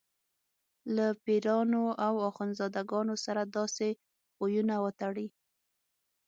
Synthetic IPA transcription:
lapiɾɑnoawɑxɑnzɑd̪aɡɑnosaɾad̪ɑse | xojunawət̪aɽi

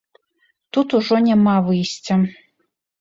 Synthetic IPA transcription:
t̪ut̪uʐɔnʲamavɨjsʲt͡sʲɐ

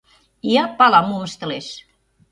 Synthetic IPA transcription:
iapalamumst̪les

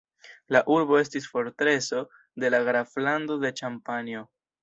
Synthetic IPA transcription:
laʔuɾbo̞e̞stisfo̞ɾtɾe̞so̞ | de̞laɡɾaflando̞de̞t͡ʃampanjo̞

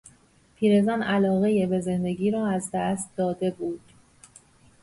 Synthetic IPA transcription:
pʰiːɾe̞zɒnʔælɒːɣe̞jebe̞ze̞nd̪e̞ɟiːɾɒːæzd̪æst̪̚d̪ɒːd̪e̞buːd̪̥

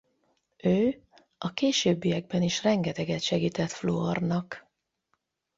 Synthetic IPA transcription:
øː | ɒkeːʃøːbːijɛɡ̚bɛniʃrɛŋɡɛt̪ɛɡɛt̪ʃɛɡiːt̪ɛt̪floɒrnɒk

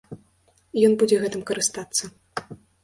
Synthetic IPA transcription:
jɔnbud͡zʲɛɣɛt̪ɨmkɐɾɨst̪at̪sːɐ

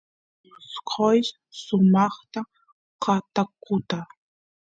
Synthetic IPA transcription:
ʊsqʰojʃ | sʊmɑχt̪a | qʰɑt̪akʊt̪a

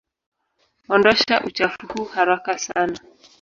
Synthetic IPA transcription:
ɔndɔʃaʔut͡ʃafuhuhaɾakasana

